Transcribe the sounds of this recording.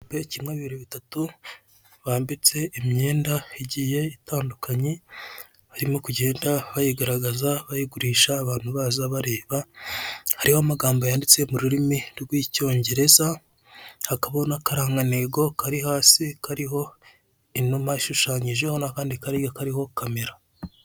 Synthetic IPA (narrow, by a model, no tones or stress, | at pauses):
pecimŋeβiβiɾeβitatu | βaːmbit͡se̞imɲe̞ːndaiɟije̞itaːndukʰaɲe | haɾimo̞kuɟe̞ːndaβajiɡaɾaɡazaβajiɡuɾiːʃaːβaːn̥huβaːzaβaɾe̞ːβa | haɾihoamaɡaːmbojaːndit͡se̞muɾuɾimiɾɡwiːco̞ːɲɟe̞ɾe̞za | hakaβonakaɾaːŋɡaneɡo̞kaɾiɦaːsikaɾiɦo̞ | inomaiʃuʃaːɲiʒehonakaːndikaɾiɡakaɾiho̞kʰameɾa